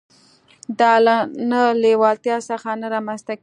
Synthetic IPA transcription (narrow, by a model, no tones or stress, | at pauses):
d̪əlanəlewɑlt̪jɑsaxanaɾɑmanst̪ak